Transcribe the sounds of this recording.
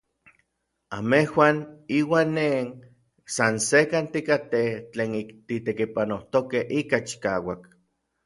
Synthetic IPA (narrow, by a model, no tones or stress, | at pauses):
amehwaːniːwaːnːen | sansekant̪ikat̪et͡ɬeːnikt̪it̪ekipanoht̪okehʔikat͡ʃi̥kaːwak